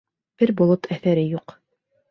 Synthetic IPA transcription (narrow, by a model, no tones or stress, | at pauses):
b̥ɘɾbolˠot̪æθæɾɘjuq